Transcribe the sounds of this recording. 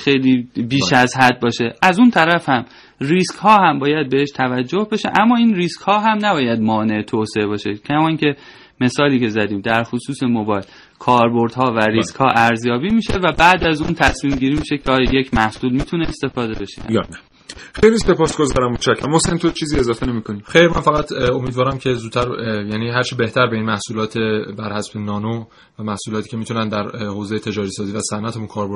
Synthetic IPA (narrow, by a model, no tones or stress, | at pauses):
xejliːbiːʃæzɦæd̪̚bɒːʃe̞ʔæzunt̪ʰæɾæfhæm | riːskhɒːhæmbɒːjæd̪̚be̞heʃt̪ʰævæd͡ʒːohbeʃe̞̰ʔæmːɒːiːnriːskhɒːɦæmnæbɒːjæd̪̚mɒːne̞et̪ʰoːseebɒːʃe̞cʰæmɒːiŋcʲʰe̞ | me̞sɒːliːcʰe̞zæd̪iːmd̪æɾxosuːse̞mobɒːjl | kʰɒːɾboɾd̪hɒːvæɾiskhɒːʔæɾzjɒːbiːmiːʃe̞væbæːd̪æzuːnt̪ʰæsmiːmɟiːɾimiːʃe̞cʰeɒːjɒjecʰmæhsuːlmiːt̪ʰuneːst̪e̞fɒːd̪ebe̞ʃḛj̰næ | xejlise̞pʰɒːsɡozɒ̰ːɾæmot̪ʃækʰːæmhosent̪ʰot͡ʃʰiːziːe̞zɒːfenemiːkʰoniːxejɾmænfæɣæt̪ʰomiːd̪vɒːɾæmcʰe̞zuːt̪ʰːæɾjæniːɦæɾt͡ʃʰebe̞ht̪ʰæɾbe̞inmæhsuːlɒːt̪ʰe̞bæɾhæsbenɒːno | væmæhsuːlɒːt̪ʰiːcʰe̞mit̪unænd̪æɾhoːzejet̪ʰe̞d͡ʒɒːɾisɒːziːvæsænʔæt̪ʰemunkʰɒːɾboɾ